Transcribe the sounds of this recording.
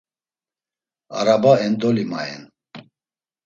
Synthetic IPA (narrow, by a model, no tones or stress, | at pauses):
aɾabaɛnd̪ɔlimaɛ̰n